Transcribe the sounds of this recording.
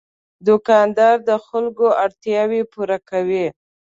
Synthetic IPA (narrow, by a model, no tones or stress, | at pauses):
d̪ʊkɑnd̪ɑɾd̪əxalɡoaɾt̪jɑwepuɾakawi